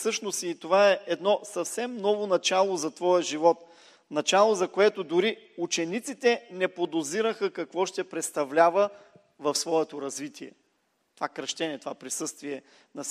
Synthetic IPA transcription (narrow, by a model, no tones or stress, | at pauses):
sɤʃnosiːt̪ovaɛɛd̪nɔsɐfsɛmnɔvonɐt͡ʃalˠozɐt̪vɔjɐʒivɔt̪ | nɐt͡ʃalˠozɐkoɛt̪od̪ʊɾi | ut͡ʃɛnit̪sit̪ɛnɛpod̪oziɾəxəkɐkvɔʃt̪ɛpɾɛt̪st̪ɐvlʲavə | vɐfsvɔɛt̪oɾɐzvit̪iɛ̰ | t̪o̥vakɾɐʃt̪ɛnʲɛt̪ovapɾisɤst̪viɛ | nɐs